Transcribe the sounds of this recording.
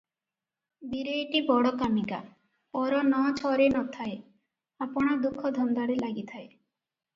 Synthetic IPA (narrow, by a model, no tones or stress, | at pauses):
d̪iɾeːʈibɔɽɔkamika̰ | ɔɾɔnɔt͡ʃʰɔɾenɔt̪ʰae | apɔɽ̃ɔd̪ukʰːɔd̪ʱɔnd̪aɽelaɡit̪ʰae